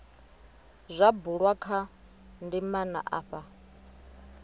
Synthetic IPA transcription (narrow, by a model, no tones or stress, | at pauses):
zʷabuɺwakʰa | ndimana̰ʔa̰ːɸa